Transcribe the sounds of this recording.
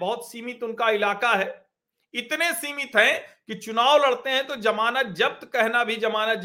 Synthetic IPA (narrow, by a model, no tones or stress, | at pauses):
bɔɦʊt̪siːmɪt̪ʊnkaɪlaːkaɦɛː | ɪt̪nesiːmɪt̪ɦɛ̃kit͡ʃʊnaːwlɐɽt̪eɦɛ̃t̪od͡ʒɐmaːnət̪̚d͡ʒɐb̚t̪kɛɦnabʱid͡ʒɐmaːnət̪̚